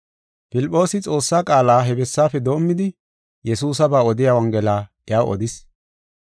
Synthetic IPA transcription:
pɪlɪpʼːo̞ːsɪt͡sʼo̞ːsːaːkʼaːlaːɦɛbɛsːaːfɛd̪o̞ːmːɪd̪ɪ | jɛsuːsɐbaːɔd̪ɪjawɐŋɡɛlaːʔɛjaːʔɔ̰d̪ɪs

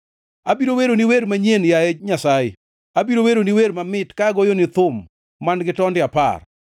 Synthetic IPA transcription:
abiɾoweɾoniweɾmaɲenjaed͡ʒɲasaɪ̰ | abiɾoweɾoniweɾmamɪtkaɡojonɪt̪ʊmː | anɡɪtɔndɪapa̰r

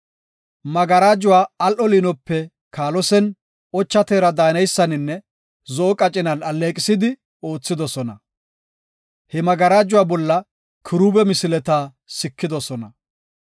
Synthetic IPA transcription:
mɐɡɐɾaːd͡ʒʊwaːɐlʔɔliːnɔpːɛ | kaːlɔsɛn | ɔt͡ʃːɐt̪eːɾɐd̪aːnɐjsːɐnɪnːɛ | zɔʔɔkʼɐt͡ʃʼːɪnɐnɐlːeːkʼɪsɪd̪ɪ | oːt͡sːɪd̪ɔsɔnɐ | hɛmɐɡɐɾaːd͡ʒʊwaːbɔlːɐ | kʰɪɾuːbɛmɪsɪlɛt̪aː | sɪkːɪd̪ɔsɔnɐ

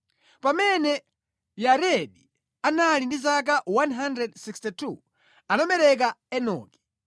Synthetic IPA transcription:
pamɛnɛ | jaɾɛɗi | analindizak̬awanɦandɾɛdsikstitʰu | anamɛɾɛk̬aɛnɔ̰ːkɛ̥

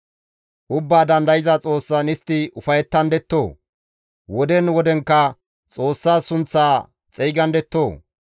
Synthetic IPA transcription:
ʔʊbːaːd̪ɐnd̪ɐjɪzɐt͡sʼo̞ːsːanɪst̪ːɪʔʊfɐjɛt̪ːɐnd̪ɛt̪ːo̞ː | wɔd̪ɛnwɔd̪ɛŋkːɐ | t͡sʼo̞ːsːaːsʊnt͡sːaː | t͡sʼɛjɡɐnd̪ɛt̪ːo̞ː

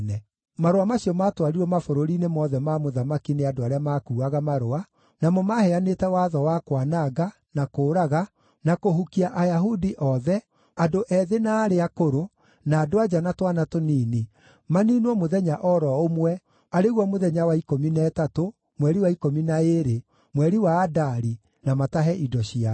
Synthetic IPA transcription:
nɛ | maɾoamaɕiɔmaːtwaɾiɾwɔmafoɾoɾinemɔðɛmamoðamakineadoaɾeamakuːaɣamaɾoa | namɔmahɛanetɛwaðɔwakwanaɡa | nakoːɾaɣa | nakoɦukiaʔajaɦudiʔɔðɛ | adoʔɛðenaːɾeakoɾo | naːdoad͡ʒanatwanatoniːni | maninwɔmoðɛɲaʔɔɾɔomwɛ | aɾeɣwɔmoðɛɲawaikominaːtato | mwɛɾiwaikominaeɾe | mwɛɾiwaːdaɾi | namataɦɛʔidɔɕia

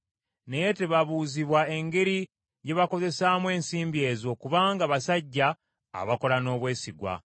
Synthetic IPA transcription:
ne̞je̞te̞βaβuziβwaeŋɡe̞ɾi | je̞βako̞ze̞saːmwe̞ːnsiːmbie̞ːzo̞kuβaːŋɡaβasaɟːa̰ː | βako̞lano̞ːβwe̞ːsiɡwa̰

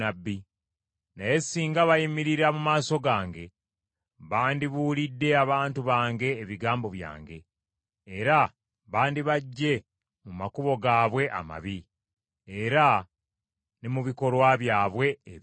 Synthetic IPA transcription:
abːi | naje̞siːŋɡaβajimiɾiɾamumaːso̞ɡaːŋɡe̞ | βaːndiβulidːe̞aβaːntuβaːŋɡe̞ːβiɡaːmbo̞βja̰ːŋɡe̞ː | ɾa | βaːndiβaɟːe̞ | mumakuβo̞ɡaːβwe̞ʔa̰ma̰βiː | ɾa | nimuβiko̞ɾwaβjaːβwe̞ː

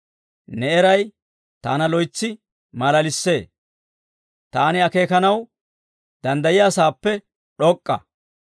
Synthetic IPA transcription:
nɛɛɾɐj | t̪aːnɐlɔjt͡sːɪ | mɐlɐlɪsːe̞ː | t̪aːnɪɐke̞ːkɐnɐw | d̪̥ɐnd̪ɐjɪjaːsaːpːɛ | ɗɔkʼːɐ̰

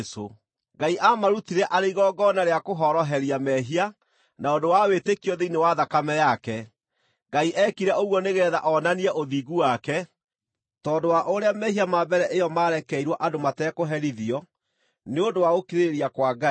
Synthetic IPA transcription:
so | ɡaiʔamaɾutiɾɛʔaɾeiɣɔɡɔnaɾeakoɦɔɾɔɦɛɾjamɛɦia | naondowawetekiɔðeinewaðakamɛjakɛ | ɡaiʔɛkiɾɛoɣwɔneɣɛːðaʔɔnaniɛʔoðiːɣuwakɛ | tɔːndowaʔoɾeamɛhɦiamabɛɾɛʔejɔmaːɾɛkɛiɾwɔʔadomatɛːkoɦɛɾiðiɔ | neondowaɣokeɾeɾiakwaɡai

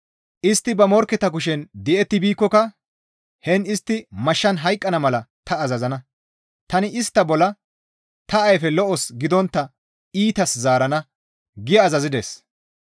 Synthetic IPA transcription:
ʔɪst̪ːɪbɐmɔɾkːɛt̪ɐkʊʃ̬ɛnd̪ɛʔɛt̪ːɪbiːkːɔkɐ | hɛnɪst̪ːɪmɐʃːɐnɦɐjkʼːɐnɐmɐlɐt̪ɐːzɐzɐnɐ | t̪ɐnɪʔɪst̪ːɐbɔlɐ | t̪ɐɐjfɛlɔʔɔsɡɪd̪ɔnt̪ːɐ | iːt̪ɐszaːɾɐnɐ | ɡɪjɐːzɐzɪd̪ḛːs

